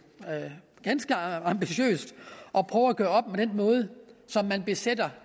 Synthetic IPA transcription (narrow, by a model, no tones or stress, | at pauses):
ɡ̥ænsɡ̥əɑ̈mb̥iɕø̰ːsd̥ʔɒ̽pʰʁœːʊɐæɡ̥ø̰ɐɒ̽b̥̚med̥enmɔ̽ːð̞ˠəsɒ̽mːænb̥e̝sed̥ɐ